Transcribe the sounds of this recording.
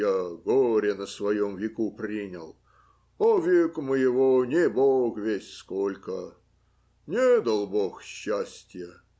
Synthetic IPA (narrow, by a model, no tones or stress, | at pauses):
jaɡoɾʲɪnəsvɐjomvʲɪkupɾʲinʲəlˠ | ovʲɪkməjɪvonʲɪbokvʲesʲskolʲkə | nʲed̪ɐlˠboxɕːasʲtʲjə